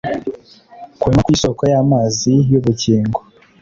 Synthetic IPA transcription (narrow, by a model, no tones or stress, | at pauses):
kwemakwiːsoːkojaːmaːzijuβuciːŋɡo